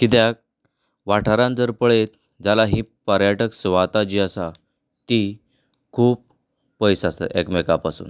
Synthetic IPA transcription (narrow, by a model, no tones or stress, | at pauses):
kit̪̬jak̚ | ʋaʈʰaɾãnd͡zəɾpəɭet̪̚ | d͡zalaɦĩːpəɾjaʈəksʋat̪ad͡ʑiːəsa | t̪i | kʰuːpː | əjsasə̰ʔekmekapasṵːn